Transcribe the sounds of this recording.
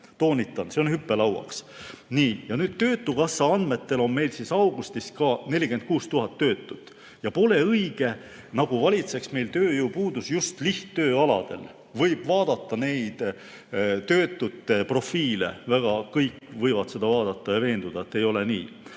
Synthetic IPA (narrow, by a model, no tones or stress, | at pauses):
t̪o̞ːnʲit̪ˑːɑnse̞o̞nhypːe̞lɑwɑ̰ksniːjɑnyːd̪̥̚t̪ø̞ːt̪ːukɑsːɑɑnd̪me̞t̪ːe̞lo̞nme̞jlsisɑwɡ̥ust̪iskɑne̞lʲike̞nt̪̚kuːst̪uɦɑt̪ːø̞ːt̪ːˑut̪ː | jɑpo̞le̞ɤjɡ̥e̞ | nɑɡ̥uvɑlʲit̪se̞ksme̞jlt̪øːjupuːd̪usjust̪liht̪t̪ːø̞ːɑlɑ̰d̪̥e̞̰l | vɤjb̥vɑːd̪̥ɑt̪ːˑɑne̞jd̪̥ | t̪ø̞ːt̪ːˑut̪ːˑepro̞fiːle̞̰væɡ̥ɑkɤjkːˑvɤjvɑt̪se̞d̪ɑvɑːd̪̥ɑt̪ːˑɑjɑve̞ːnd̪̥ud̪̥ɑet̪ːe̞jo̞le̞niː